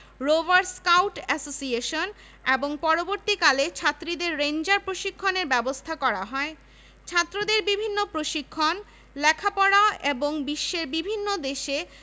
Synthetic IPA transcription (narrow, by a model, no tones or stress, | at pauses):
ɾovaɾskawʈɛsosieʃon | eboŋpɔɾoboɾt̪ikalet͡ɕʰat̪ːɾid̪eɾːend͡ʑaɾpɾoʃikʰːoneɾbɛbost̪ʰakɔɾaɦɔe | t͡ɕʰat̪ːɾod̪eɾbibʱinːopɾoʃikʰːon | lɛkʰapɔɽaeboŋbiʃːeɾbibʱinːod̪eʃe